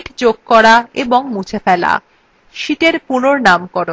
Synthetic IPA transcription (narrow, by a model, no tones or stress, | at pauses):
ʈd͡ʑoɡ̚kɔɾaeboŋmut͡ɕʰefɛla̰ | ʃit̪eɾpunoɾnamkɔɾo